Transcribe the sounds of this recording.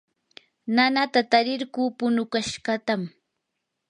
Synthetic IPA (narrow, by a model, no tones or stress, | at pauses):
nanat̪at̪aɾɪɾkuːpʊnʊkaʃɢɑt̪am